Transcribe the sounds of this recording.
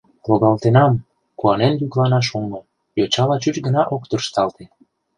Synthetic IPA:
loɣɑlt̪enɑm | kuɑnenjyklɑnɑʃ̬omo | jot͡ɕɑlɑt͡ɕut͡ɕɡənɑʔokt̪ərʃt̪ɑlt̪e

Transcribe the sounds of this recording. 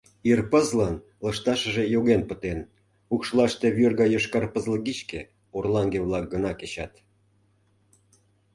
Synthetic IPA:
irpəzlən | lə̆ʃt̪ɑʃə̆ʒejoɣenpət̪en | ukʃlˠɑʃt̪eβørɣɑjoʃkɑrpəzləɡit͡ɕke | orlɑŋɡeβlɑk̚ɡənɑket͡ɕɑt̪

